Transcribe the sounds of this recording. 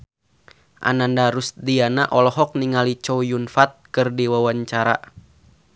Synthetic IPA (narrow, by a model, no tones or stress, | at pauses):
ʔa̰nandaɾusdianaʔɔlɔɦɔk̚niŋalit͡ʃɔujunfat̪̚kɨrdiwawaɲt͡ʃaɾa